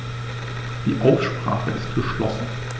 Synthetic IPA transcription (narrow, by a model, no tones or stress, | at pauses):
d̥iːʔaʊsʃpʁ̥a̰ːχə̰ɪst̚ɡ̥əʃlɔsn̩